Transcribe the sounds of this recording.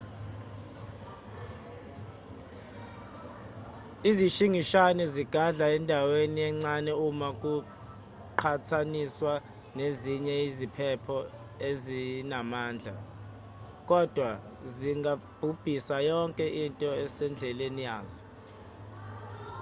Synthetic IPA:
iziʃiŋiʃanɛziɡ̥ʱaɮaɛndʱaweniɛŋ͡ǀanɛumakʼu | ǃʰatʰaniswa | neziɲɛizipʰɛpʰɔ | ezinamaːnd͡ɮʱa̰ | kʼɔd̥ʱwa | ziŋɡʱab̥ʱub̥ʱisajɔŋkʼɛʔintʼɔɛsɛnd͡ɮʱɛlenijaːzɔ

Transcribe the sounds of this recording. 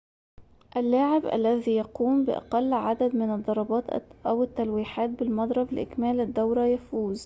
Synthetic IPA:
ʔælːaːʕɪbʔæ̰lːæðiːjɑquːmbɪ̰ʔɑ̰qɑlːʕad̪æd̪mɪnɨd̪ˤːɑɾˤɑbɑːt̪ʔæwɪt̪ːælwiːħaːt̪̚bɪlmɑd̪ˤɾˤɑbɪlʔɪ̰kmæːlɪd̪ːawɾˤɑjafuːz

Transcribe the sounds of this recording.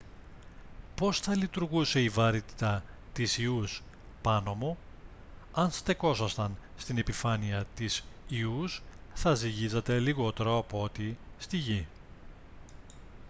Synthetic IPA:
po̞sθɐlit̪uɾɣuse̞ivɐɾit̪i̥t̪ɐt̪isius | pɐno̞mo̞ | ɐnst̪e̞ko̞sɐst̪ɐnst̪ine̞pifɐniɐt̪isiusθɐziʝizɐt̪e̞liɣo̞t̪e̞ɾoɐpoo̞t̪ist̪iʝi

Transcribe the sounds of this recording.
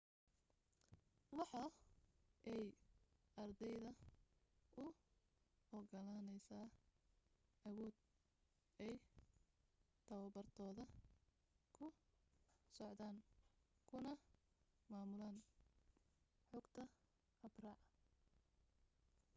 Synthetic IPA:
wɑħɑ | ʔɛjʔɐrd̪ɛjðɐ | ʔʊ | ɔɡɐlanɛjsaː | ɐwɔːd̪̚ | ɛj | t̪ʰɐwɐbɐrt̪ʰɔːðɐ | kʰʊ | sɔʕd̪aːŋkʰʊnɐ | maːmʊlaːŋ | ħʊɡt̪ʰɐ | ɐbrɐ

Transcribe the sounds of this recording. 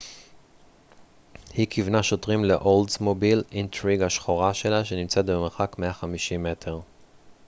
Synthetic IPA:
hikʰivnaʃo̞tʁimlḛʔoldzmobilintʁiɡaʃχoʁaʃe̞laʃenimt͡set̪̚bemeχakme̞aχamiʃimːetʰe̞ʁ

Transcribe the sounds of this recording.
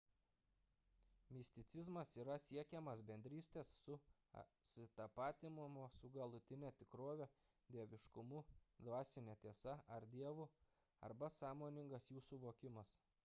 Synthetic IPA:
mʲɪsʲt̪ʲɪt̪sʲɪzmɐsiːɾɐsʲiɛkʲɛmɐsbʲɛnʲd̪ʲɾʲiːsʲt̪ʲeːsːʊ̰ | sʲɪt̪ɐpɑːt̪ʲɪmʊmoːsʊɡɐlˠʊt̪ʲɪnʲɛt̪ʲɪkɾoːʋʲo | d̪ʲiɛʋʲɪʃkʊmud̪ʋɑːsʲɪnʲɛt̪ʲiɛsɐɐɾd̪ʲiɛʋʊ | ɐ̰ɾbɐsɑːmoːnʲɪŋɡɐsjuːsʊʋoːkʲɪmɐs

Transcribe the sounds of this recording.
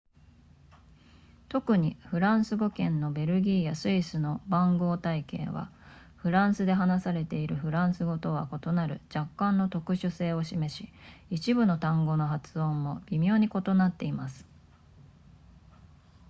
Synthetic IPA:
t̪o̞kɯ̟ɲ̟iɸɯ̟ɾãɰ̃sɨɡo̞kẽ̞nːo̞be̞ɾɯ̟ɡʲiːjasɨisɨno̞bãŋɡo̞ːt̪aike̞̰ːβa̰ | ɸɯ̟ɾãɰ̃sɨd̪e̞ɦanasaɾe̞t̪e̞iɾɯ̟ɸɯ̟ɾãɰ̃sɨɡo̞t̪o̞βa̰ko̞t̪o̞naɾɯ̟d͡ʑakːãnːo̞t̪o̞kɯ̟ɕɨse̞ːo̞ɕime̞ɕiit͡ɕibɯ̟no̞t̪ãŋɡo̞no̞ɦat͡sɨõ̞mːo̞b̥ʲimʲjo̞ːɲ̟iko̞t̪o̞nat̪ːe̞imasɨ̥

